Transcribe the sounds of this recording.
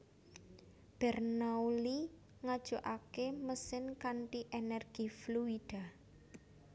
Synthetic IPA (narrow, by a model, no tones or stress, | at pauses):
b̥ɛrnauli | ŋad̥ʒ̥uʔakeməsɪnkaɳʈiʔenɛrɡ̥ifluid̥a̤